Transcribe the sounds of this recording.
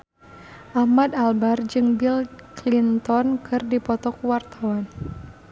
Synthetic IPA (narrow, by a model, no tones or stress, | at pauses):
ʔahmad̪albard͡ʒɨŋbilklint̪ɔnkʰɨrdipɔt̪ɔkuwart̪awan